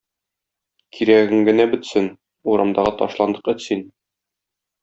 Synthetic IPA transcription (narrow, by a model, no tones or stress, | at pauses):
kʰiɾæɡɘŋɡɘ̆næbɘ̆t̪sɘn | uɾɑmd̪ɑʁɑt̪ɒʃlˠɑnd̪ɤ̥qɘ̆sin